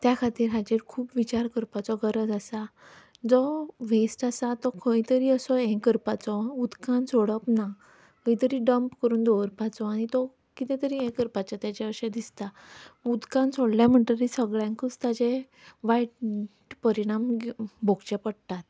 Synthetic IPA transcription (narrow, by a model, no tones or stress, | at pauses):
t̪jakʰat̪iːɾɦat͡ɕiɾkʰuːpʋit͡ɕaɾkəɾpat͡sɔɡəɾəd͡zasa | d͡zɔʋesʈasat̪ɔkʰə̃jt̪əɾiːəsɔɛ̃kəɾpat͡sɔud̪kãnt͡sʰoɽəpna | kʰəjt̪əɾiːɖəmpkəɾuːnd̪oʋəɾpat͡sɔaɽ̃it̪ɔ | kit̪ɛ̃t̪əɾiːɛ̃kəɾpat͡ɕat̪jat͡ɕɛəɕɛ̃d̪ist̪aud̪kãnt͡sʰoɽljãm̤əɳʈ̪əɾisəɡɭjãŋkəst̪at͡ɕe | ʋaiʈʈpəɾiɽ̃ambʱoɡt͡ɕɛpəɽt̪at̪̚